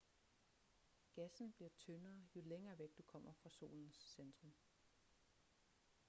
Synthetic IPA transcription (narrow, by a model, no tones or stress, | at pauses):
ɡ̥æsn̩b̥liɐt͡sʰønɐːjo̝leŋɐːʋeɡ̥̚d̥ukʰɒ̽m̰ɐfʁɑ̈so̝̰ːln̩sːend̥ʁɔ̽m